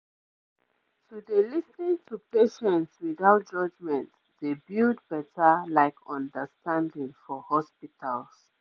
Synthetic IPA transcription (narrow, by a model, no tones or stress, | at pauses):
tudelisnĩŋtʰupeʃɛ̃ntswiðaʊt̚d͡ʒʌd͡ʒmɛ̃nt | ð̥ebildbɛtəlaɪkʰɔ̃ndəstãndĩŋfɔhɔspitʰals